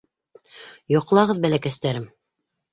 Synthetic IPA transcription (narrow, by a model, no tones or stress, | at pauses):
jŏqlˠɑʁɤðbælækæst̪æɾɘm